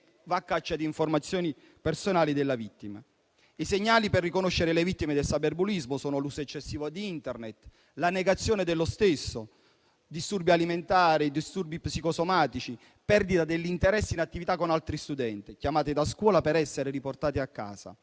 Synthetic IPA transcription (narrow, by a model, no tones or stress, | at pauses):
vakːat͡ʃːad̪iːɱformat̪sːjɔːni | personaːlid̪elːavit̪ːima̰ | iseɲːaːliperːikonoʃːeɾelevit̪ːimed̪elsaberbulizmosɔːnolusoɛt͡ʃːesːiːvod̪iint̪ɛrnet̪ | laneɡat̪sːjɔːned̪elːost̪esːo | d̪ist̪urbialiment̪aːɾid̪ist̪urbipsikosomaːt̪it͡ʃi | pɛrd̪it̪ad̪elːint̪eɾɛsːinat̪ːivit̪akːonalt̪ɾist̪ud̪ɛnt̪ikjamaːt̪id̪askwɔːlapeɾɛsːeɾeɾiport̪aːt̪iakːa̰ːza̰